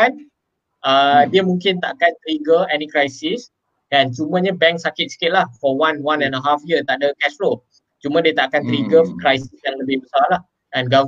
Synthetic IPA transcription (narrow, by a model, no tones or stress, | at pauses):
an | ʔədiəmũŋkɪnt̪aʔakant̪ɾiɡəɛnikɾajsis | ɡant͡ʃumãɲabɛ̃ŋksakɪt̪̚sə̥kɪt̪̚lahfɔwãnwãnɛ̃nəɦafjət̪aʔdəkɛsɾo | t͡ʃumãdiət̪aʔakant̪əɾiɡəkɾajsisjãŋləbɪhbəsalah | ʔɛ̃nɡa